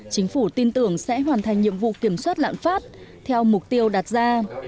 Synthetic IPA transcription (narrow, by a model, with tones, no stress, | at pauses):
t͡ɕï˨˦ŋ̟fu˧˩t̪i˧nt̪ɨ˧˩əŋsɛ̰˧˥ɦwaː˨˩nt̪ʰa˨˩ŋ̟ɲḭ˧˨əmvṵ˧˨ki˧˩əmswaː˦˥t̚la̰ː˧˨nfaː˦˥t̚t̪ʰɛ˧wmʊ˨˩k͡p̚t̪i˧əwɗa˨˩t̚zaː˧